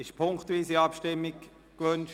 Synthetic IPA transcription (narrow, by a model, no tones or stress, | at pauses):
ɪʃpʰʊŋktʋiːsiɑpʃtɪmːik | kʋønʃ